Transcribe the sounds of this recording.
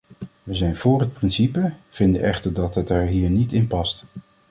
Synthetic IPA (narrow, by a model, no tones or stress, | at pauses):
ʋəzɛjnvʊːɹɦət̚prɪnsipəv̥ɪndə̰ʔɛχtəɹdɑtɦətɛɹɦiːɹnitɪnpɑst